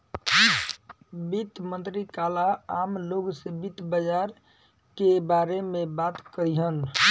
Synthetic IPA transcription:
bit̪mənt̪ɾikalaamloɡsebit̪bəd͡ʒaɾ | kebaɾemebat̪kəɾiɦən

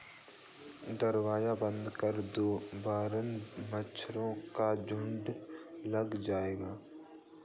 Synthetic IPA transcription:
d̪ɐɾwaːjabə̃nd̪kəɾd̪oːbaːɾənmət͡ʃʰɾõkad͡ʒʊ̃ɳɖlɐɡd͡ʒaːeːɡaː

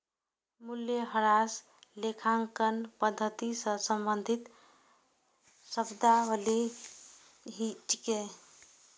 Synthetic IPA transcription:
muljeɦəɾas | lekʰaŋkənpəd̪ʱːət̪isə̃səmbənd̪ʱit̪ | səbd̪aəli | ɦit͡ʃke

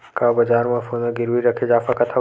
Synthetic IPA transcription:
kabɐd͡ʒaːɾmãfoːnəɡɪɾʋiɾɐkʰed͡ʒaːfakɐt̪ʰa

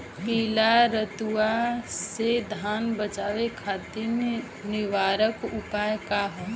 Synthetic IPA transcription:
piːlaɾət̪uased̪ʱaːnbət͡ʃaːʋekʰat̪i | nɪʋaːɾəkupajkaɦɔ

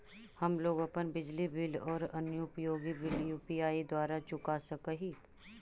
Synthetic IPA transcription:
hɐmloːɡəpənbɪd͡ʒlibɪlɔːɾɐnjʊpjoːɡibɪljuːpiaːid̪waːɾat͡ʃʊkasɐkəɦiː

